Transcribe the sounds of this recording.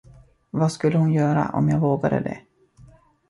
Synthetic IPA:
vaskɵlːəhʊnjœːɾa̰ʔɔ̰mjɑːɡvoːɡad̪ə̰d̪ɛ̰

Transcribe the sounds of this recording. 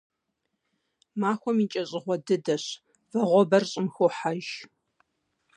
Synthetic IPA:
maːxʷɔmit͡ʃʼɐɕʼɪʁʷɔdɨdɐɕ | vɐʁʷɔbɐrɕʼɪmxoːħaʒ

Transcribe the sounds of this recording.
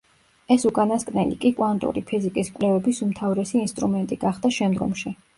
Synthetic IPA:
ɛsukʼanaskʼnɛlḭkʼikʼwant̪ʼṵɾipʰizikʼiskʼwlɛvɛbisumt̪ʰavɾɛsiːnst̪ʼɾumɛnt̪ʼiɡaχd̪aʃɛmd̪ɡɔ̰mʃi

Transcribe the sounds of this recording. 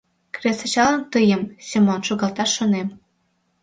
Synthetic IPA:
kresə̆t͡ɕɑlə̆nt̪əjəmsʲemonʃoɣɑlt̪ɑʃːonem

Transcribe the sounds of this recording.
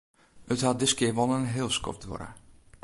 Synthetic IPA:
əthat̚dɪskɪʋɔlˠənɦɪlˠskɔ̰fdʋɔ̰ɾə̰

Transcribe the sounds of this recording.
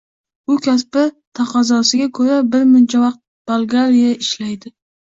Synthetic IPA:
ʊkʲʰaspɪ | t̪ʰɑqʰɑzɒsɪɡʲakʰɵɾabɪɾmʊnt͡ʃʰavɑq̚t̪̚b̥alˠɡaɾijaɪʃlajd̪ɪ

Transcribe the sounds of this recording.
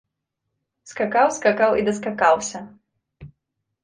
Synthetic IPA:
skakawskakawid̪ɐskakawsʲɐ

